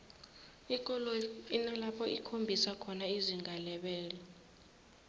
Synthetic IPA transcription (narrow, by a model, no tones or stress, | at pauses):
ik̬ʼɔlɔinalapʰɔʔḭkʰombʱisakʰɔnaiziŋʱalɛɓɛːlɔ